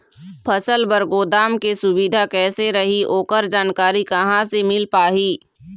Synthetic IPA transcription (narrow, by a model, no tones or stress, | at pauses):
pʰɐsəlbəɾɡoːd̪aːmkesʊbid̪ʱakɛːseɾɐɦiʔoːkəɾd͡ʒaːnkaːɾikɐɦãsemɪlpaːɦiː